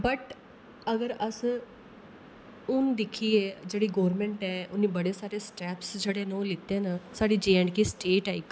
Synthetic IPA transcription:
bəʈ | əɡəɾəs | ʊnd̪ɪkʰːiːed͡ʒeːɽiːɡoːɾmẽːɳʈɛːʊnːĩːbəɽeːsaːɾeːsʈɛːpsd͡ʒeːɽeːnõlɪt̪eːnəsaːɽiːd͡ʒeːəɳɖkiːsʈeːʈaːɪk

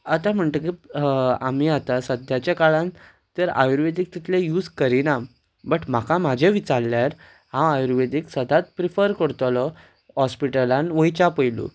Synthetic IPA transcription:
at̪ãm̤əɳt̪əkiamiat̪asəd̪ʱjat͡ɕakaɭãn | t̪əɾa̰juɾʋed̪ik̚t̪it̪ʰlejuːd͡zkəɾina | bəʈm̤akamad͡ʑʱeʋit͡salːjaɾ | hãajuɾʋed̪iksəd̪ʱat̪̚pɾifəɾkəɾt̪ɔlɔ | ɦɔspiʈəlãnʋəjt͡ɕapəjlṵ

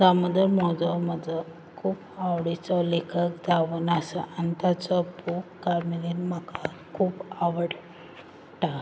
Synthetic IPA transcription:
ɡ̪aməd̪ʱəmɔd͡zɔməd͡zə | kʰuːpaʋɽit͡sɔlekʰəkd͡zaʋunəsəʔanit̪at͡sɔpukːaɾmilinmaka | kʰuːpaʋəɽ | ʈa

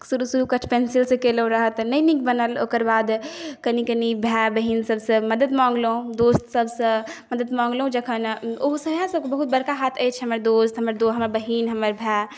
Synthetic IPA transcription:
suɾusuɾukəʈʰpensilsẽkeləũɾəɦət̪nəĩnikbənəloːkəɾbaːd̪kənikənibʱɛbəɦiːnsəbsə̃məd̪əd̪mãːŋɡlõd̪oːst̪səbsə̃məd̪əd̪mãːŋɡlõd͡ʒəkʰənoɦsəbjãsəb̚kebəɦut̪̚bəɾkaɦaːt̪ʰəjt͡ʃʰɦɐməɾd̪ost̪ɦəməɾd̪oɦəməɾbəɦiːnɦəməɾbʱɛ

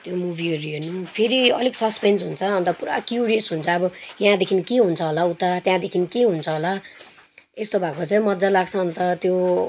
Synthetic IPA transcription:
t̪jomubʱiʌɾuenupʰeɾiʌ̰liksʌspensɦunt͡sʰʌːnt̪ʌpuɾa̰kjuɾijʌsɦunt͡sʰʌːbʌjaɦãd̪ekʰinkeɦunt͡sʰʌɦolaut̪at̪jãd̪ekʰinkeɦunt͡sʰʌɦola | est̪obʱakot͡sãj̃mʌd͡zalaɡt͡sʰʌːnt̪ʌt̪jo

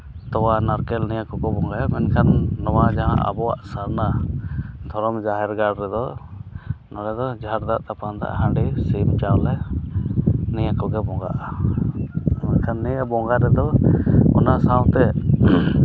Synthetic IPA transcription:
t̪ɔwanaɾkɛlnijakɔkɔbɔŋɡajamɛnkʰanːɔwad͡ʒaɦã̰ʔa̰bɔwa̰ʔsaɾna | d̪ʱɔɾɔmd͡ʒaɦɛɾɡaɽɾɛd̪ɔ | nɔlɛd̪ɔd͡ʒʱaɾd̪aʔt̪apãnd̪a̰ʔɦãɳɖisibt͡ʃawlɛ | nijakɔɡɛbɔŋɡa̰ʔa | mɛnkʰanːiaʔbɔŋɡaɾɛd̪ɔɔ̰nasãwt̪ɛ

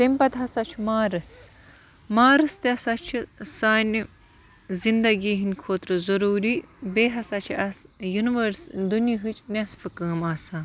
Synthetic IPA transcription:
t̪imʲpɐt̪ɦɐsɐt͡ʃʰmaːɾɨs | maːɾɨst̪ɐsɐt͡ʃʰisaːnʲ | zind̪ɐɡiːɦinʲkʰoːt̪ɾɨzɐɾuːɾibeːɦɐsɐt͡ʃʰiʔɐsjuniʋɐɾsd̪uniɦɨt͡ʃʰnʲesfɨkɐːmaːsãː

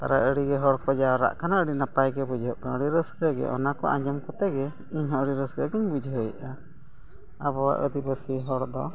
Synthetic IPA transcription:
t̪a̰ɾaəɽiɡɛɦɔɾkɔd͡ʒaɾa̰ʔkanaəɽinapajɡɛbud͡ʒɦɔʔkanəɽiɾəsɡəɡɛ̰ʔɔ̰nakɔ̰ʔa̰ɲd͡ʒɔmkɔt̪ɛɡɛ | iɲɦɔ̃əɽiɾəsɡəɡɛɲbud͡ʒɦɔjʔa | aβɔa̰ʔəd̪ibəsiɦɔɾd̪ɔ̰

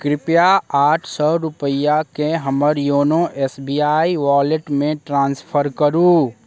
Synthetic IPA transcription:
kɾɪpjaaːʈʰsɔɾʊpəjakeɦəməɾjoːnoʔɛːsbiːaːiʋaːleʈmẽʈɾãːnspʰəɾkəɾuː

